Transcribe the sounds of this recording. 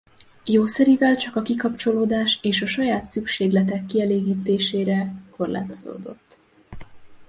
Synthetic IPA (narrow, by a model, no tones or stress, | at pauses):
joːsɛɾivɛlt͡ʃɒkɒkikɒp̚t͡ʃo̞loːd̪aːʃeːʃɒʃɒjaːt̪sykʃeːɡlɛt̪ɛkːiɛleːɡiːt̪eːʃeːɾɛko̞rla̰ːt̪oz̥o̰ːd̪o̞̰t̪ː